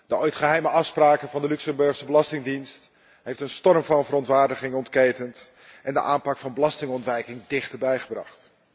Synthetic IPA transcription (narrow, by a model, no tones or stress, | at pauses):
dəoɥjtχəɦɛjməʔɑfspraːkəvɑndəlyksəmbɵɹχsəbəlɑstɪŋdinst | ɦejftənstɔrmvɑnvərɔntʋaːɹdəχɪŋɔntkejtənt | ʔɛndə̰ʔaːnpɑkfɑnbəlɑstɪŋɔntʋɛjkɪŋdɪχtəɹbɛjχəbrɑ̰χt